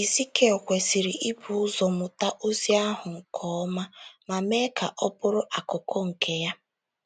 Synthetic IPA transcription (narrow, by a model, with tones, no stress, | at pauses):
i˨si˦ke˦ɔ˨kʷe˨si˨ɾi˨ʔi˦bu˨ʊ˦zɔ˨mʊ˨ta˦ʔo˦zi˦a˦ɦʊ˨ŋ̩˨kʰɔ˨˦ma˦ma˨me˦ka˨ʔɔ˦pʊ˦ɾʊ˦ʔa˨kʊ˨kʰo˦ŋ̩˨ke˦ja˦